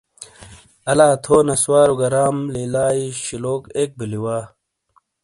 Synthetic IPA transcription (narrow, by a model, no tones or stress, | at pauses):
ɐlaːt̪ʰoːnɐswaːɾuɡɐɾaːmliːlaːiɕiloːkeːk̚biliwaː